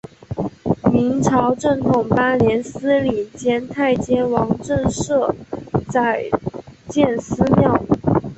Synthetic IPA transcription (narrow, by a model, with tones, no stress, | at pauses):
mi˧˥nʈ͡ʂʰɑ˧˥ʊʈ͡ʂɤ˥˩ŋt̪ʰʊ˨˩ŋpa˥ljɛ˧˥nsɹ̩˥li˨˩t͡ɕjɛ˥nt̪ʰa˥˩ɪt͡ɕjɛ˥nwɑ˧˥ŋʈ͡ʂə˥˧ŋʂɤ˥˩t͡sa˥˩ɪt͡ɕjɛ˥˩nsɹ̩˥ljɑ˥˩ʊ˩